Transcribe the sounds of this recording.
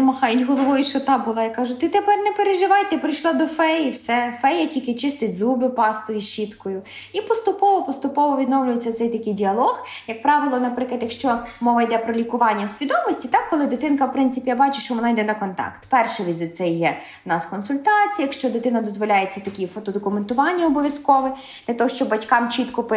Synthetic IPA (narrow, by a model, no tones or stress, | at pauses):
nɐmɐhɑjʊtʲɦɔlˠɔʋɔjʊʃɔt̪ɑbʊlˠɑjikɑʒʊt̪ɪt̪epɛrnɛpeɾeʒɪʋɑjt̪ɛpɾɪjʃlˠɑd̪ɔfɛjiwsɛfɛjːɐkʲikɪt͡ʃɪst̪ɪtʲzubɪpɑst̪ʊjiʃit̪kɔjʊipɔst̪ʊpɔʋɔpɔst̪ʊpɔʋɔʋʲid̪nɔwlʲʊjet͡sʲːɐt̪sɛjt̪ɐkɪjdʲiɐlˠɔxjɐk̚pɾɑʋɪlˠɔnɐpɾɪklˠɐt̪jɐkʃt͡ʃɔmɔʋɐjd̪ɛpɾɔlʲikʊʋɑnʲːɐwsʲʋʲid̪ɔmɔsʲtʲit̪ɑkːɔlˠɪd̪ɪt̪ɪnkɐwpɾɪntsɪpʲijabɑt͡ʃʊ̥ʃt͡ʃɔʋɔnɑjd̪ɛnɐkɔnt̪ɑ̰kt̪pɛrʃɛʋʲizɪsɛjjɛ | nɑskɔnsʊlʲt̪ɑt͡sʲijɐkʃt͡ʃɔd̪ɪt̪ɪnɐd̪ɔzʋɔlʲajet͡sʲːɐt̪ɐkʲifɔt̪ɔd̪ɔkʊment̪ʊʋɑnʲːɐɔbɔʋʲjɐskɔʋɪ | d̪̥lʲɐt̪ɔɦɔʃt͡ʃɔbbɐtʲkɑmt͡ʃit̪kʊp